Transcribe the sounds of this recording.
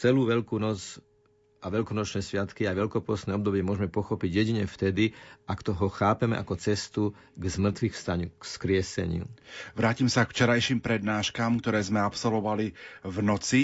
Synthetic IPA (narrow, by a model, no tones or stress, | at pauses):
t͡sɛluːʋɛʎkuːnɔt͡s | ʔaʋɛʎkɔnɔt͡ʃnɛːsʋɪat̪kiajʋɛʎkɔpɔsnɛːɔbd̪ɔbɪɛmʊɔʒmɛpɔxɔpiɟjɛɟiɲɛft̪ɛd̪iʔakt̪ɔɦɔxaːpɛmɛ̰ʔakɔt͡sɛst̪u | ɡzmr̩t̪ʋixfst̪aɲukskɾɪɛsɛ̰ɲɪṵʋɾaːcimsakft͡ʃɛɾajʃiːmpɾɛd̪naːʃkaːmkt̪ɔɾɛːzmɛapsɔlʋɔʋalivnɔt͡si